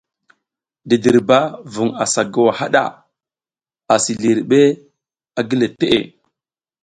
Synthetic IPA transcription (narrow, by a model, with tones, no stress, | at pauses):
di˨di˨ɾba˦vu˨ŋa˨sa˨ɡa˨wa˨ha˦ɗa̰˨ | a˨si˨li˨ɾɓe˦ | a˨ɡi˦le˨te˦ʔḛ˨